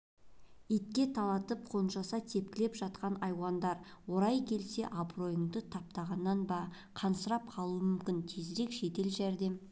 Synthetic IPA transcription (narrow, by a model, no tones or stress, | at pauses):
et̪kʲe̞t̪ʰɑlˠɑt̪əp̚qʰo̞nʃɑsɑt̪ʰe̞p̚kʲɪlepʒɑt̪̚qɑnɑjwɑnd̪ɑɾwo̞ɾɑjkʲʰe̞lse̞̰ʔɑbro̞jəɴd̪ət̪ʰɑp̚t̪ɑʁɑnːɑnbɑ | qʰɑnsəɾɑp̚qʰɑlˠuəmʏmkʲɪnt̪ʰezɾe̞kʃe̞t̪e̞lʒæɾd̪e̞m